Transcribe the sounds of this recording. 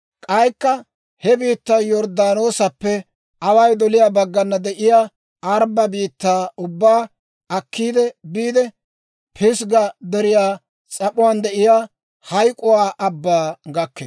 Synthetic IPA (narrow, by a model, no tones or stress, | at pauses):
kʼɐjkːɐ | hɛbiːt̪ːaːjɔɾd̪aːnoːsɐpːɛ | ɐwɐjd̪ɔlɪjaːbɐɡːɐnːɐd̪ɛʔɪjaː | ɐɾbɐbiːt̪ːaːʊbːaː | ɐkːiːd̪ɛbiːd̪ɛ | pʰɪsɡɐd̪ɛɾɪjaː | t͡sʼɐpʊwaːnd̪ɛʔɪjaː | hɐjkʼʊwaːʔɐbːaːɡɐkːe